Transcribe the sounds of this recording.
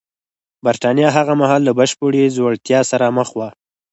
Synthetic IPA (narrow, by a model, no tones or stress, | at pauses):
baɾt̪ɑnjɑɦaɣamaɦɑlːabaʃpoɽezwaɽt̪jɑsaɾaməxwa